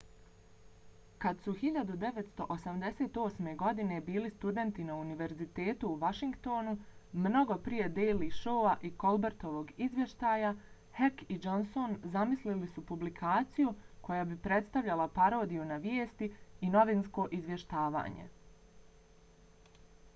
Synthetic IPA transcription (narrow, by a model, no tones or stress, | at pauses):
kad̪suxiʎad̪ud̪e̞ʋet̪st̪o̞ʔosamd̪e̞se̞ːt̪o̞ːsme̞ɡo̞d̪ine̞biːlist̪ud̪e̞nt̪inauniʋe̞ɾzit̪e̞ːt̪uːʋaʃiŋkt̪o̞ːnumno̞ɡo̞pɾije̞d̪ejliʃo̞ːaʔiko̞lˠbeɾt̪o̞ʋoɡizʋje̞ʃt̪aːja | hekid͡ʒo̞nso̞nzamislilisupublikʰaːt̪sijuko̞jaːbipɾe̞t̪st̪aʋʎʲalˠapaɾo̞ːd̪ijunaʋjeːst̪iːno̞ʋinsko̞ːʔizʋje̞ʃt̪aːʋa̰ːɲe̞̰